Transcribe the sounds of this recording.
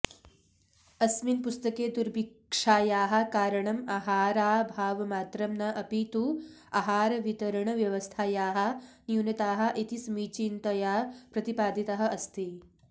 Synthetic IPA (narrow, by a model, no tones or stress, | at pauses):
ɐsminpust̪ɐkeːd̪uɾbikʂaːjaːɦɐ̆kaːɾɐɳɐmaːɦaːɾaːbʱaːʋɐmaːt̪ɾɐmnɐʔɐpit̪u | aɦaːɾɐʋit̪ɐɾɐɳɐʋjɐʋɐst̪ʰaːjaːɦɐ̆njunɐt̪aːɦɐ̆ʔit̪isɐmiːt͡ʃiːnt̪ɐjaːpɾɐt̪ipaːd̪it̪ɐɦɐ̆ʔɐst̪i